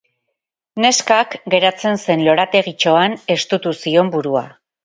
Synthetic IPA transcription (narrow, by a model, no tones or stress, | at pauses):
ne̞skakɡe̞ɾat͡se̞nse̞nlo̞ɾat̪e̞ɣit͡ʃo̞ane̞st̪ut̪usio̞mbuɾua̰